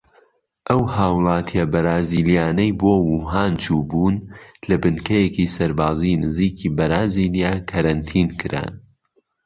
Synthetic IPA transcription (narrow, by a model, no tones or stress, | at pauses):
ʔɐwhaːwlˠɑːt̪ʰijɐbɐɾaːziːlijaːnɐjboːwuɦaːnt͡ʃʰuːbuːnlɐbɨnkɐjekisɐɾbaːzinɨziːkʰiːbɐɾaːziːlijaːkʰɐɾɐnt̪ʰiːnkʰɨɾa̰ːn